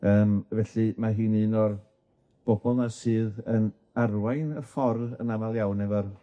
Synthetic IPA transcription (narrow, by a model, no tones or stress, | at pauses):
əːmvɛɬɨmaɦɨːnɨnɔr | b̥ɔbɔlˠnasɨːðən | arwajnəfɔrðə̰navalˠjawnɛvɔr